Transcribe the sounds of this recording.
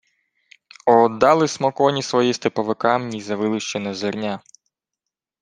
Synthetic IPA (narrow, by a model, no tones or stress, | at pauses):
ɔd̪ɑlˠɪsmɔkɔnʲisʋɔjist̪ɪpɔʋɪkɑmnʲizɐʋɪlˠɪʃt͡ʃɛnɐzɪrnʲa